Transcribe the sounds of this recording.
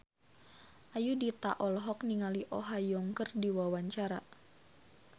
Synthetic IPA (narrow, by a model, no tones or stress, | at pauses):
ʔajudit̪a̰ʔɔlɦɔk̚niŋaliʔɔɦajɔŋkərdiwawaɲt͡ʃaɾa